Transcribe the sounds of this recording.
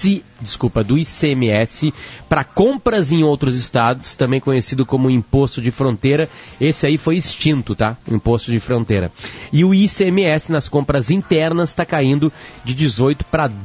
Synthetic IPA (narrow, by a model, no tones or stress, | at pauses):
ɪ | d͡ʒɪskupɐd̪ʊiseemɪɛsɪpɾɐkõpɾɐzẽj̃owt̪ɾʊzɪst̪ad̪ʊst̪ɐ̃mbẽj̃kõɲesid̪ʊkõmʊĩpost̪ʊd͡ʒɪfɾõnt̪ejɾɐesɪaifojɪst͡ʃĩnt̪ʊt̪aʊĩpost̪ʊd͡ʒɪfɾõnt̪ejɾɐ̰ɪʊiseemɪɛsɪnɐskõmpɾɐzĩnt̪ɛɾnɐst̪akaĩnd̪ʊd͡ʒɪd͡ʒɪzojt̪ʊ̥pɾɐ